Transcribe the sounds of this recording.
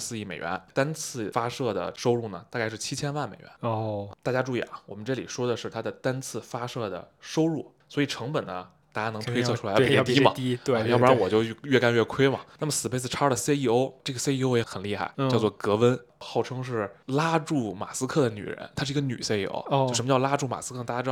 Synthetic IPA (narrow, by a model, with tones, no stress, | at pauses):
sɹ̩˥˧i˥˩me˨˩ɪɥɛ̰˧˥nt̪a˥nt͡sʰɹ̩˥˩fa˥ʂɤ˥˩d̪ə̰˩ʂo˥ʊɻu˥˩nə˩t̪a˥˧ka˥˧ʂɻ̩˥˩t͡ɕʰi˥t͡ɕʰjɛ˥nwa˥˩nme˨˩ɪɥɛ̰˧˥nt̪a˥˩t͡ɕja˥ʈ͡ʂu˥˧i˥˩ɐ̰˩wɔ˨˩mə˦nʈ͡ʂɤ˥˩li˨˩ʂwɔ˥d̪ə˨ʂɻ̩˥˩t̪ʰa˥d̪ə˨˩t̪a˥nt͡sʰɹ̩˥˩fa˥ʂɤ˥˩d̪ə̰˩ʂo˥ʊɻu˥˩ | swɔ˧˥i˨˩ʈ͡ʂʰɤ˧˥ŋpə˨˩nnə˦ | t̪a˥˩t͡ɕja˥nɤ˧˥ŋt̪ʰwe˥ɪsʰɤ˧ʈ͡ʂʰu˥˧˥pt̪i˥˧mɐ˨˥˧jɑ˥˩pnwɔ˨˩t͡ɕjo˥˧ʊ˥˧ɥɛ˥˩ka˥nɥɛ˥˧˩kʰwe˥ɪmɐ̰˨na˥˩mə˩sɹ̩˨˩pe˥˧ɪt͡sɹ̩˥˩ʈ͡ʂʰɑ˥də˨se˥ɪi˥˧˩o˥ʊʈ͡ʂɤ˥˩ɡə˩se˥ɪi˥˧o˥ʊjɛ˧˥xə˨˩nli˥˧xa̰˥˩ɪt͡ɕjʊt͡swɔ˥˩kɤ˧˥wə˥nxo˥˩ʊʈ͡ʂʰɤ˥ŋʂ̬ɻ̩˥˩la˥ʈ͡ʂu˥˩ma̰˨˩sɹ̩˥kʰɤ˥˩d̪ə˩ny̰˨˩ɻə̰˧˥nt̪ʰa˥ʂɻ̩˥˩˧ɡə˧ny̰˨˩se˥ɪi˧˩o̰˥ʊt͡ɕo˧ʊʂə˧˥m˧˥jɑ˥˧la˥ʈ͡ʂu˥˩ma̰˨˩sɹ̩˥k̪ʰt̪a˥˩ja˥ɻ